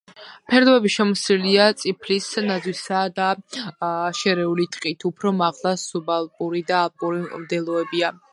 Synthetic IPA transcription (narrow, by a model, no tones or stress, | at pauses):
pʰɛɾd̪ɔɛbiʃɛmɔsiliat̪sʼipʰlisnad̪zwisad̪a | ʃɛɾɛulit̪ʼqʼit̪ʰupʰɾɔmaʁlˠasubalˠpʼuɾid̪aːlpʼuɾivd̪ɛlˠɔɛbia